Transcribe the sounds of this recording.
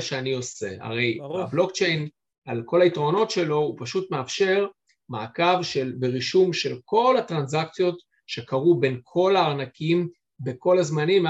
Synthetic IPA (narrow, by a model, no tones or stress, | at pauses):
ʃeanio̞se̞̰a̰ʁe̞jablo̞kt͡ʃe̞jn | alko̞laitʁo̞no̞tʃe̞lo̞upaʃutmeafʃe̞ʁ | maːkavʃelbeʁiʃumʃe̞lko̞lhatʁanzakt͡sjo̞t | ʃe̞kaʁube̞nkʰo̞laːʁnakʰim | be̞ko̞lazmanim